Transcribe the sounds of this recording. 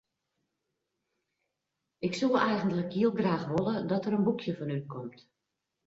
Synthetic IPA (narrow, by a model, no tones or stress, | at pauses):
ɪksulˠɛjɣəntləkiəlˠɡraːxʋolˠədɔtəɾənbukʰjəfɔnyt̚kʰɔmt